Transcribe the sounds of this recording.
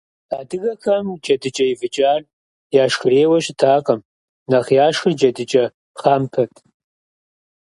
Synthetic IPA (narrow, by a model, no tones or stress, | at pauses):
adɨɡɐkʰɐmd͡ʒɐdɨt͡ʃʼɐjivɨt͡ʃʼaːr | jaːʂxɨreːwɐɕtʰaːqʼɐm | naχjaːʂɨrd͡ʒɐdɨt͡ʃʼɐ | χampʰɐtʼ